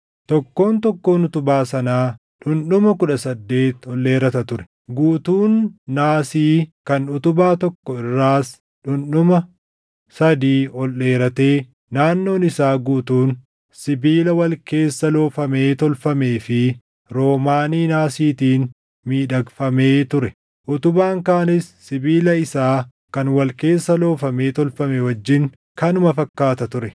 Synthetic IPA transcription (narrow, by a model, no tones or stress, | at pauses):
t̪ɔkːo̞ːnt̪ɔkːo̞ːnʊt̪ʊbaːsɐnaː | ᶑʊnɗʊmɐkʊᶑɐsɐd̪ːe̞ːt̪ɔlːe̞ːɾɐt̪ɐt̪ʊɾɛ̥ | ɡuːt̪uːnːaːsiːkɐnʊt̪ʊbaːt̪ɔkːɔɪrːaːs | ᶑʊnᶑʊmɐ | sɐd̪iːɔlːe̞ːɾɐt̪eː | naːnːo̞ːnɪsaːɡuːt̪uːn | sɪbiːlɐwɐlke̞ːsːɐlo̞ːfɐme̞ːt̪ɔlfɐme̞ːfɪ | ɾo̞ːmaːniːnaːsiːt̪iːn | miːᶑɐɡfɐme̞ːt̪ʊɾɛ | ʔʊt̪ʊbaːŋkaːnɪsːɪbiːlɐɪsaː | kɐnwɐlke̞ːsːɐlo̞ːfɐme̞ːt̪ɔlfɐmɛwɐd͡ʒːɪŋ | kɐnʊmɐfɐkːaːt̪ɐt̪ʊɾɛ